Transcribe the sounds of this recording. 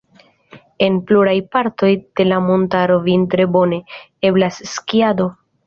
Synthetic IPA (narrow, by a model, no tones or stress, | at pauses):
e̞npluɾajpaɾto̞jd̥e̞lamo̞ntaɾo̞vintɾe̞bo̞ne̞ | e̞blasːkiado̞